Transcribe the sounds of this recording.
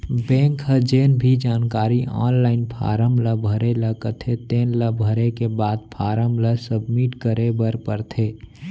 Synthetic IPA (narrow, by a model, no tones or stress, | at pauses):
bɛ̃ːŋkɦəd͡ʒeːnbʱid͡ʒaːnkaːɾiʔa̰ːnlaːɪnpʰa̰ːɾəmləbʱəɾeləkət̪ʰet̪eːnləbʱəɾekebaːd̪̚pʰaːɾəmləsəbmiʈkəɾebəɾpəɾt̪ʰeː